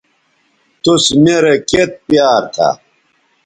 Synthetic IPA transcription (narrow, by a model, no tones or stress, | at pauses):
t̪usmeɾeket̪̚pijaːɾt̪ʰa̰